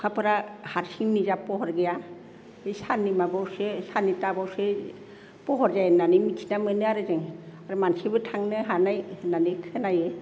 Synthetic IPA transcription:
kʰapʰɯɾahaɾsiŋnizapɔɦɔɾɡeja | esanimabawsesanitabawse | pɔɦɔɾzajnanimitʰinamɯnɯaɾɯzɯŋaɾɯmansibɯtʰaŋnɯɦanajnanikʰɯnaje

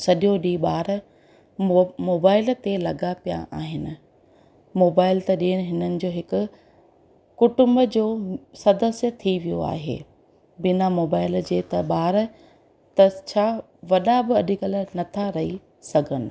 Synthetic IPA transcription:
sɐɗjoɗiɓaːɾ | moːbaːɪlt̪elɐɡapija̰ʔa̰ːɦɪnɪ̆ | moːbaːɪlt̪ɐɗiːəɽ̃ɪ̆ɦɪnənɪ̆d͡ʑoːɦɪkʊ̆ | kʊʈʊmbd͡ʑoːsɐd̪əsjət̪ʰiʋijo̰a̰ːɦḛː | bɪnamoːbaːɪld͡ʑeːt̪ɐɓaːɾ | t̪ɐt͡ɕʰaː | ʋɐɗabɪɐɗikɐlənɐt̪ʰaɾɐɦi | sɐɡʱənɪ̆

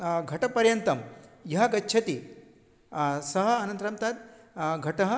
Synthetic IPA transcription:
ɡʱɐʈɐpɐɾjɐnt̪ɐmjɐɦɐɡɐtːt͡ʃʰɐt̪i | sɐɦɐ̆ɐnɐ̃nt̪ɐɾɐmt̪aːt̪̚ | ɡʱɐʈɐɦɐ̆

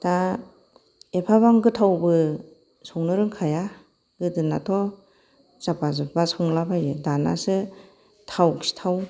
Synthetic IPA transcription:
d̥a | epʰaβaŋɡɯtʰawbɯ | sɔŋnɯɾɯŋkʰaja | ɡɯdɯnatʰɔ | z̥apazɯbasɔŋlabajɯdana̰sɯ | tʰawksi̥tʰaw

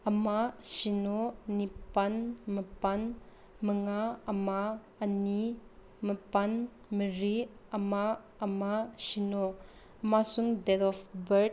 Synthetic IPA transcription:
ɐmasinonipanmɐpan | məŋaɐma | ɐni | mɐpan | məɾiɐma | ɐmasino | ɐmasuŋdɛtɔfbɐɾ

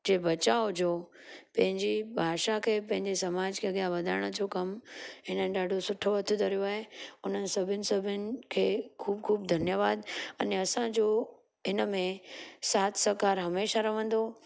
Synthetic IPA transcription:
d͡ʑeːbɐt͡ɕaːod͡ʑoː | pɐ̃ɦɪ̃ɲd͡ʑibʱaːʃakʰeːpɐ̃ɦɪ̃ɲd͡ʑesɐmaːd͡ʑkʰeɐɠijaʋɐd̪ʱaːɽ̃əd͡ʑokɐmɦɪnənɪ̆ɗaːɖʱosʊʈʰoɦɐt̪ʰud̪ʱɐɾijoaːɦeʊn̤ənɪ̆sɐbʱɪnɪ̆sɐbʱɪnɪ̆kʰeːkʰuːb̚kʰuːb̚d̪ʱɐnjəʋaːd̪ɐneɐsãd͡ʑo | ɦɪnəmẽsaːt̪ʰsɐkaːɾɦɐmeːʃaɾɐʋə̃n̆d̪o

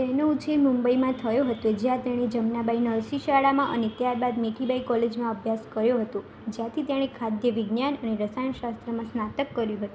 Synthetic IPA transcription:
t̪enout͡ʃʰemumbəimãt̪ʰəjõɦət̪od͡ʒjãt̪eɽ̃ed͡ʒəmnabainəɾsiʃaɭamãʔə̰net̪jaɾbad̪meʈʰibaikɔled͡ʒmãəbʱjaskəɾjoɦət̪õ | d͡ʒjãt̪ʰit̪eɽ̃ekʰad̪ʱjəʋɪɡnjanəneɾəsajənʃast̪ɾəmãsnat̪əkːəɾjũɦət̪ũ

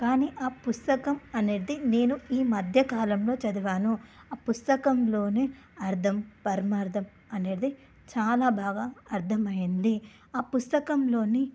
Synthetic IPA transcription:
kaːniːʔaːpust̪ɐkɐmɐneːd̪ine̞ːnuiːmɐd̪ʱjɐkaːlɐmlo̞ːt͡ʃɐd̪iʋaːnuaːpust̪ɐkɐmlo̞ːneː | ɐɾd̪ʰʱɐmpɐɾmaːɾd̪ʱɐm | ɐneːɽd̪i | t͡ʃaːlaːbʱaːɡaːɐɾd̪ʰʱɐmɐjind̪i | aːpust̪ɐkɐmlo̞ːni

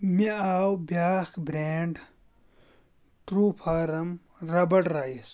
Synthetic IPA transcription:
miaːwbjaːxbɾeːɳɖ | ʈɾuːpʰaːɾɐm | ɾɐbɐʈɾaːjis

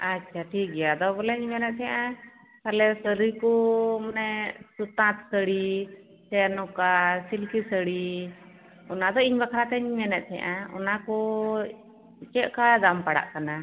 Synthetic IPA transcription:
atːt͡ʃʰaʈʰik̚ɡɛjad̪ɔbɔlɛɲmɛnɛt̪̚t̪ʰɛjʔã | t̪alɛsəɾijkɔmanɛsut̪ãt̪səɽi | sɛnɔkasilkisəɽi | ɔnad̪ɔiɲbakʰɾat̪ɛɲmɛnɛt̪̚t̪ʰɛʔãɔ̰nakɔ | t͡ʃɛʔkad̪ampaɽa̰ʔkana

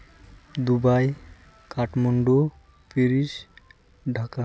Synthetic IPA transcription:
d̪ubaj | kaʈmoɳɖo | piɾiʃ | ɖʱaka

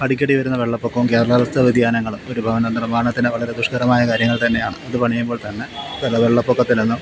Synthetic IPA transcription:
ɐɽikʲːɐɽiʋɐɾunːɐʋe̞ɭːɐpːokːɐʋumked̪ɾɐɭɐlɐst̪ʰːɐʋid̪ʱjaːnɐŋːɐɭumo̞ɾubʱɐʋɐnɐnirmaːɳɐt̪ːineʋɐɭɐɾed̪uʂkɐɾɐmaːjɐkaːɾjɐŋːɐɭt̪ɐnːe̞jaːɳɨɐðɨpɐɳijːumbo̞ːɭt̪ɐnːeʋɐlːɐʋe̞ɭːɐpːokːɐt̪ːilenːum

